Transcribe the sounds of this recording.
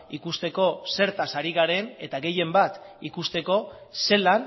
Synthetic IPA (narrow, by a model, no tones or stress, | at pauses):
ikust̪e̞ko̞se̞ɾt̪asaɾiɣaɾe̞ne̞t̪aɣe̞je̞mbat̪ikust̪e̞ko̞ | se̞lan